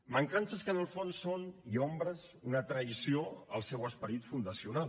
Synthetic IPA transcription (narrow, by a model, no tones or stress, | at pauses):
məŋkansəskənəlˠfonsːoniombɾəz | unət̪ɾəisioəlˠsɛwəspəɾit̪fund̪əsiunal